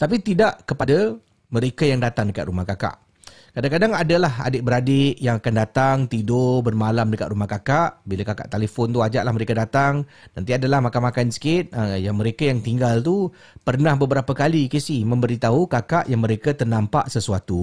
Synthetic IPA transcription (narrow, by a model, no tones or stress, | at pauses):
t̪ap̬it̪idaʔkəpada | mə̃ɾekajaŋdat̪aŋdəka̰t̪̚ɾumahkaka̰ʔ | kadaŋkadaŋadalaɦa̰dɪʔbəɾadɪʔjaŋakandat̪aŋt̪idobərmalamdəkat̪ɾumahkakaʔbilakaka̰ʔt̪alefɔnt̪uad͡ʒa̰ʔlahməɾekadat̪aŋ | nãnt̪̬iadalahmakamakansə̥kɪt̪̚əjaŋmə̃ɾekajaŋt̪iŋɡalt̪u | pərnãhbəbəɾapəkalikisihmə̃mbəɾit̪aɦukakaʔjaŋmə̃ɾekat̪ərnampa̰ʔsəsuat̪u